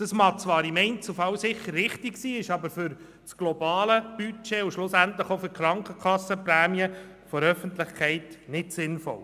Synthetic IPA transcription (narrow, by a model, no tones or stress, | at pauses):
d̥ɑsmɑt͡sʋɑːɾɪmɛɪnt͡sufɑwsɪχːəɾːɪχtɪksiːɪʃɑbəɾfʏɾ | sɡ̥lɔbɑːləb̥yt͡ʃeːʊʃlʊsæntlɪχofʏɾkχɾɑŋkχəkʰɑsːəpræːmiə | fɔɾœfəntlɪχkʰɛɪtnɪtsɪnfɔ̰l